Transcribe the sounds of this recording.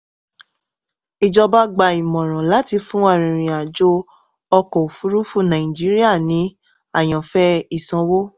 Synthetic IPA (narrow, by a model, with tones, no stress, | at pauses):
i˧d͡ʒɔ˧ba˦ɡ͡ba˧˨i˨mɔ̃˨ɾ̃ã˨la˨˦ti˧fũ˦a˦˨ɾ̃ĩ˨ɾ̃ĩ˨a˨d͡ʒo˦ | ɔ˧kɔ˨o˨fu˨˦ɾu˦fu˦˨nã˨ĩ˨d͡ʒi˨˦ɾi˦a˦˨nĩ˨˦ | a˦˨j̃ã˨fɛ˦i˦˨sã˧˦wo˦